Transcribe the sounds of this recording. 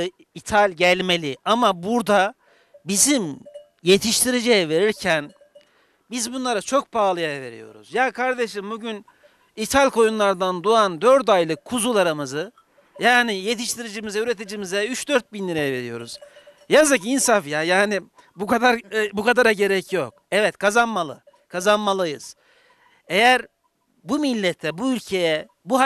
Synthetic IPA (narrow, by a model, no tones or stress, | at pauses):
it̪ʰalʲɟælʲme̞lʲiʔamabuɾd̪a | bizim | je̞t̪ʰiʃt̪ʰiɾid͡ʒejɛve̞ɾiɾcʰæn | bizbunlˠaɾat͡ʃʰo̞k̚pʰaːlˠɯjajɛve̞ɾḭjo̞̰ɾṵzjakʰaɾd̪eʃimbuɟyn | it̪ʰalʲko̞junlˠaɾd̪and̪uand̪øɾt̪ajlˠɯkʰːuzulˠaɾamɯzɯ | jaːnije̞t̪ʰiʃt̪ʰiɾid͡ʒimizɛyɾet̪ʰid͡ʒimizɛyt͡ʃd̪øɾt̪̚binlʲiɾejɛve̞ɾijo̞̰ɾṵz̥ | jazɯkinsafjajaːni | bukad̪aɾbukad̪aɾaɟe̞ɾɛcjo̞k | ɛvɛt̪kʰazanmalˠɯ̰ | kʰazanmalˠɯjɯz̥ | e̞jæɾ | bumilʲːɛt̪ʰːɛbuylʲcʰe̞jɛ | buɦa